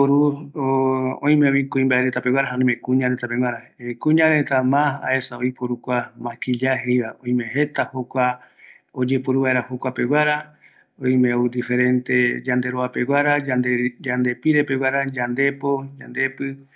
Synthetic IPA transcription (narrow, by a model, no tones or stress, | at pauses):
oɾuoõĩmeoikũĩmbaeɾe̞t̪ape̞wʷaɾaɦaõĩmekũɲãɾet̪apewaɾaekũɲãɾe̞t̪amãa̰e̞saoipoɾukʷamãkiʎaɦejɾaõĩmẽɦe̞t̪ahokʷa | od͡ʒe̞poɾuβaeɾahokʷape̞wʷaɾa | õj̃mẽoud̪ife̞ɾẽ̞nt̪ed͡ʒand̪e̞ɾoape̞waɾaad̪ed͡ʒand̪e̞piɾe̞pewaɾad͡ʒand̪e̞pod͡ʒa̰nd̪e̞pɨ